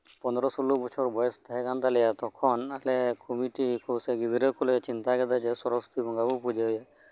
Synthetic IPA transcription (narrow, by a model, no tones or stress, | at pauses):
pɔnd̪ɾɔsolubɔt͡ʃʰɔɾbɔjɔst̪aɦɛkant̪alɛjat̪ɔkʰɔnalekʰomiʈikʰoseɡid̪iɾɔkʰulet͡ʃint̪aɡɛd̪ad͡ʒɛsɔɾɔksɔ̥t̪ibʱɔŋɡabɔpud͡ʒeɦɔja